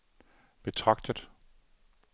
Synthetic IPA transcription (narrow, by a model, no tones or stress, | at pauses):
b̥e̝t͡sʰʁɑ̈ɡ̥d̥əð̥ˠ